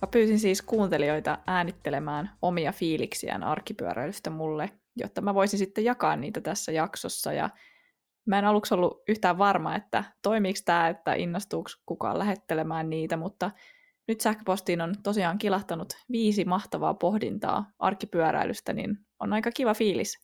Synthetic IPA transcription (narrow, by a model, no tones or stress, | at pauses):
mɑpyːsinsiːskuːnt̪elio̞jt̪ɑʔæːnit̪ːelemæːno̞miɑfiːliksḭæ̰nɑ̰rkːipyø̰ɾæ̰ilyst̪æmulːe | jo̰t̪ːɑmæʋo̞isinsit̪ːejɑkɑːnniːt̪æt̪æsːæjɑksosːɑ̰jɑ̰ | mæenɑluksolːuyçt̪æːʋʋɑrmɑet̪ːæ̰t̪o̞imiːkst̪æːet̪ːæ̰ʔinːɑst̪uːkskukɑ̰ːlæɦe̞t̪ːelemæːnniːt̪æmut̪ːɑ | nyt̪sæhkøpo̞st̪iːnont̪osiɑːŋkilɑht̪ɑnut̪ʋiːsimɑht̪ɑʋɑ̰ːpo̞hdḭnt̪ɑ̰ːʔɑ̰rkːipyøɾæ̰ilʔyst̪ænḭn | onɑjkɑkiʋɑfiːlis